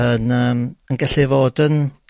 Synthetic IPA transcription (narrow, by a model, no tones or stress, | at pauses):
ənəːmənɡɛɬivoːdən